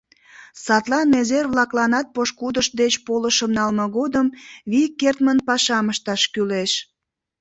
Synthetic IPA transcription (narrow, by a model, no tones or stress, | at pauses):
sɑt̪lɑnezerβlɑklɑnɑt̪̚poʃkud̪əʃ̚d̪et͡ɕpoləʃəmnɑlməɣod̪əmβikert̪mənpɑʃɑməʃt̪ɑʃkyleʃ